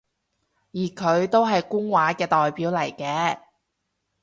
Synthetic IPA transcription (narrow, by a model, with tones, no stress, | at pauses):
jiː˨˩kʰɵ˨˧ɥt̪o˥wɦɐ˨jkʊ˥ŋwaː˨˥kɛː˧t̪ɔː˨jpiː˨˥wlɐ˨˩jkɛː˧